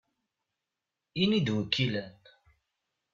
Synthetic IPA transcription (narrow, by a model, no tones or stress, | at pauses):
inid̪wəkʰːilæn